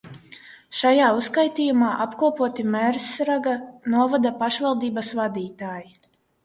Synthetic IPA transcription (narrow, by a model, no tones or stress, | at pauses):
ʃajaːuskajt̪iːjumaːʔapkuɔpuɔt̪imɛɾsɾaɡanuɔvad̪apaʃvalˠd̪iːbasvad̪iːt̪aːji